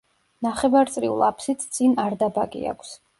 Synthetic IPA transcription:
naχɛvaɾt̪sʼɾiṵlˠa̰pʰsit̪ʰt̪sʼinaɾd̪abaɡḭa̰kʷʰs

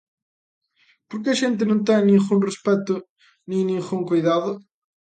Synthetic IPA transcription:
poɾk̬ɪɐʃẽnt̪̬ɪnõnt̪ejnĩŋɣũŋrespɛt̪ʊ | nĩŋnĩŋɣuŋkojðaðʊ

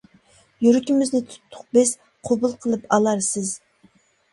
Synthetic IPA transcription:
jyɾykʲimɪznɪt̪ʰu̥t̪ʰːʊq̚bɪz | qʰobulˠqʰəlˠɨpɑlˠɑɾsɪz

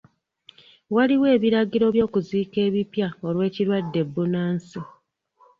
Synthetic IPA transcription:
waliwe̞ːβiɾaɟiɾo̞βjo̞ːkuziːke̞ːβipjao̞lwe̞ːciɾwadːe̞bːunaːnsi

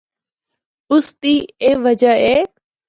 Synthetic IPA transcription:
ʊst̪iːeːʋəd͡ʒəeː

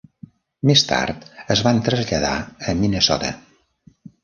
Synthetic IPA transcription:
mest̪a̰ɾt̪əzβant̪ɾəzʎəða̰əminəsɔ̰t̪ə

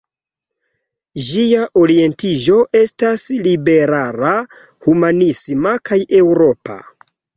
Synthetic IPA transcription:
d͡ʒiaʔoɾie̞ntiʒo̞ʔe̞staslibe̞ɾaɾa | humanismakʰajʔe̞wɾo̞pa̰

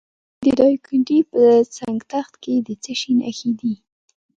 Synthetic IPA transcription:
d̪əd̪ɑjkʰʊɳʈipət͡saŋɡt̪axt̪ked̪ət͡səʃina̰xid̪i

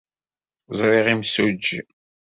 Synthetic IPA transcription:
zˤɾiʁimsud͡ʒːḭ

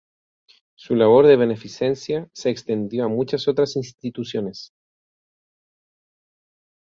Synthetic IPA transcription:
sulaβ̞oɾðeβenefisensjaseːkst̪end̪joamut͡ʃasot̪ɾasinst̪it̪usjones

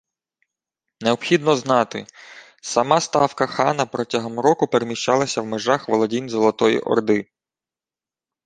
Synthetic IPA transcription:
neɔpxʲid̪nɔznɑt̪ɪ | sɐmɑst̪ɑwkɐxɑnɐpɾɔtʲɐɦɔmrɔkʊpeɾemʲiʃt͡ʃɑlˠɐsʲɐwmeʒɑxʋɔlˠɔdʲinʲzɔlˠɔt̪ɔjḭʔɔ̰rd̪ɪ

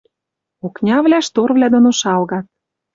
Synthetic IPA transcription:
oknʲɑvlʲæʃt̪orvlʲæd̪onoʃɑlɣɑt̪̚

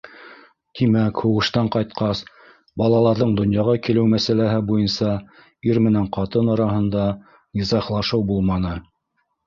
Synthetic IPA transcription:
t̪imækhuʁɤ̆ʃt̪ɑɴqɑjt̪qɑs | bɑlˠɑlˠɑɾðɤɴd̪ŏnjɑʁɑkilɘwmæsælæɦɘbujɤnsɑ | iɾmɘ̆næɴqɑt̪ɤnɑɾɑɦɤ̆nd̪ɑ | nʲizɑχlˠɑʃɤwbulˠmɑnɤ

